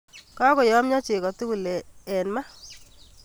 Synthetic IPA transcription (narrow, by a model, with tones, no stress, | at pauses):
ka˦kɔ˨jɔ˦mɲɔ˦t͡ʃɪ˨kɔ˨tu˦ku˨le˨ɛ˨nma˦